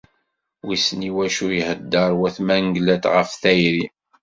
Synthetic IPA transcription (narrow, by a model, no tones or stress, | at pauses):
wisniwæʃujhəd̪ːəɾˤwæθmæŋɡlæt̪ʁəfθæjɾi